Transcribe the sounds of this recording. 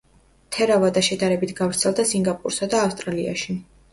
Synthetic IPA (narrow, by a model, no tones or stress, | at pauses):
t̪ʰɛɾavad̪aʃɛd̪aɾɛbit̪ʰɡavɾt̪sʰɛlˠd̪asiŋɡapʼṵɾsad̪aːfst̪ʼɾalia̰ʃi